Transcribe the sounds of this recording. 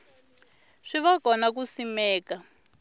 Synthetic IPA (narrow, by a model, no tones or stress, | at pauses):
ʂiβakɔnak̬usimɛːka